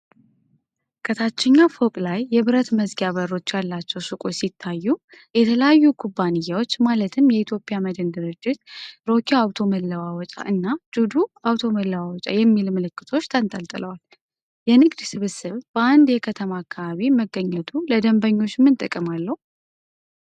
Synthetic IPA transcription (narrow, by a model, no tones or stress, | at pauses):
kʰət̪ʰat͡ʃːɛɲːafokʼlajːɛβɨɾət̪məzɡaβərːo̞t͡ʃːjalːat͡ʃːɛwsɨkʼosit̪ʰːajːu | jɛt̪ʰələjajːukʰubːanɨjːawot͡ʃːmalət̪ʰɨmjɛit̪ʰjo̞pʼijaməd̪ənd̪ɨɾɨd͡ʒːɪt̪ɾo̞kʰiawt̪ʰo̞məlːəwawɔt͡ʃʼa̰ʔɨnːad͡ʒud̪uawt̪ʰo̞məlːəwawɔt͡ʃʼa̰jɛmːilməlɨkːɨt̪ʰo̞t͡ʃːt̪ʰənt̪ʼəlt̪ʼɨləwal | jɛnɨɡd̪sɨβɨsɨβb̥əand̪jɛkʰət̪ʰəmaːkʰːaβaβiməɡːəɲːət̪ʰuləd̪əmbəɲːo̞t͡ʃːmːɨnt̪ʼɨkʼːɨmalːəhu